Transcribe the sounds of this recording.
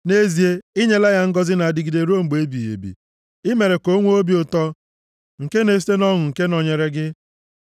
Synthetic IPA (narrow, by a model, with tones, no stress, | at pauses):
ne˦zi˨e˦i˦ɲe˦la˦ja˦ŋ̩˦ɡɔ˦zɪ˦na˨a˨dɪ˦ɡi˨de˨ɾo˦m̩˨ɡ͡be˦bi˨jḛ˨bḭ˨ | ɪ˦me˨ɾe˨ko˦ŋʷ˦o˦bi˦ʊ˨tɔ˦ | ŋ̩˨ke˦ne˨s̬i̥˦te˦nɔ˦ɦʊ˨ŋ̩˨ke˦nɔ˨ɲe˨ɾe˦ɡɪ˦